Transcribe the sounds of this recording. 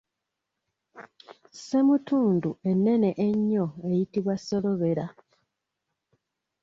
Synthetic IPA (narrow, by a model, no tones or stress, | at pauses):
semutuːndue̞nːe̞neʔeɲːo̞e̞jitiβwaso̞lo̞βe̞ɾa